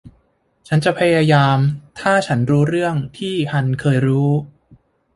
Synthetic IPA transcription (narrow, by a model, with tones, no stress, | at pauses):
t͡ɕʰa˦˥nt͡ɕa˨pʰa˧jaː˧jaː˧mt̪ʰaː˥˩t͡ɕʰa˦˥nɾuː˦˥ɾɯ˥˩əŋt̪ʰiː˥˩hʰa˧nkʰɤː˧jɾuː˦˥